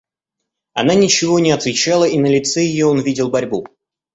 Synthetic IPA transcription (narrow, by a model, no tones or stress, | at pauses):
ɐnanʲɪt͡ɕɪvo̞nʲɪɐt̪vʲɪt͡ɕːalˠəʔinəlʲɪt̪sɛjɪjoonvʲidʲɪlˠbɐɾʲbu